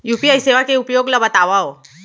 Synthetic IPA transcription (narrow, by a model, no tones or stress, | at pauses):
juːpiajseːʋakeupjoːɡlɐbɐt̪aːʋaɦo